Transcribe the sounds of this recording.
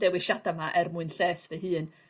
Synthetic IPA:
d̥ɛwɪʃadamaʔɛrmʊɨnɬeːsvɛɦɨːn

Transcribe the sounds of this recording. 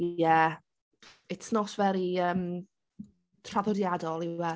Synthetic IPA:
jɛ | ɪtʰnɔsvɛɾiəːm | tʰr̥avɔdjadɔlˠiwɛ

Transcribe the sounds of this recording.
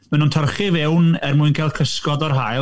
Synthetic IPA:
mɛnuntʰərχɪvɛwnɛrmuɨnkʰaːlˠkʰəskɔdɔrɦaj

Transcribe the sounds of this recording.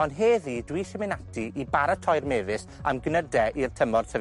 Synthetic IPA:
ɔnɦeːðiːdwiːʃəmɪnatʰiʔibaɾatʰɔjrmeːvɪsamɡnədɛʔirtʰəmɔd̥sʰə

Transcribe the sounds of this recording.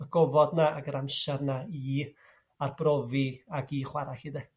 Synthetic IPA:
əɡɔvɔdnaaɡəɾamʃarnaiː | arbrɔviaɡiːχwaɾaɬid̪ɛ

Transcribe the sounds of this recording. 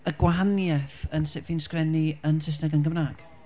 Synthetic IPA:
əɡ̥waɦanjɛθənsɪːpviːnskrɛniənsɪs̬nɛɡənɡəmnaːɡ̥

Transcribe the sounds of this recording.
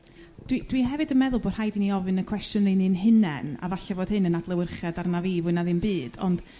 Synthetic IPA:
d̥wid̥wiɦɛvɨdənmɛðʊlˠboːd̥hajdiniɔvɨnəkʰw̥ɛstjʊnrinɨnɦɪnɛna̰vaɬavoːd̥hɨnənadlˠəwɪrχjadarnavivɨnaðɨnbɨːd̥ɔ̰nd̥

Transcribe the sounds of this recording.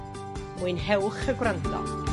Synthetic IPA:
muɨnɦɛwχəɡwrantʰɔ̰

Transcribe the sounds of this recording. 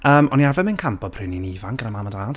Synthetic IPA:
əːmɔniarvɛmɪnkʰampɔd̚pʰrɨninivaŋɡ̥ənamaːmadaːd̥

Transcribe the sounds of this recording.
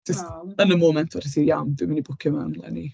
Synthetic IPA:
d͡ʒəstənəmoːmɛntʰɔr̥ɪsijamdɪmənibʊkʰəmanlˠɛ̰ni

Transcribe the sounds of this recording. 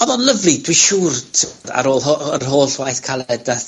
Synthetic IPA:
ɔðɔnləvlidwiʃuːrtʰa̰ɾoːlˠɦoərɦoːɬwajθkʰalˠɛdaθ

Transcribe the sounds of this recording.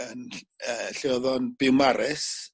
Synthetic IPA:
ənəːɬɪɔðɔnb̥ɪwmaɾɪs

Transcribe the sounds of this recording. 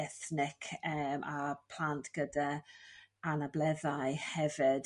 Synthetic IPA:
ɛθnɪkʰəmʔapʰl̥antʰɡ̥əda | anablɛðajhɛvɪd̥

